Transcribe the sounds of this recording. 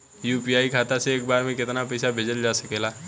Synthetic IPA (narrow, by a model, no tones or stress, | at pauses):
juːpiaːikʰaːt̪aseːk̚baːɾmẽkɪt̪napɛːsabʱeːd͡ʒəld͡ʒaːsɐkeːlaː